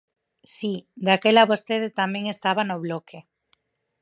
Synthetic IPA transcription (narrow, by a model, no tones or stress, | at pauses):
sid̪akelaβost̪eðet̪amjeŋest̪aβanoβlokʰe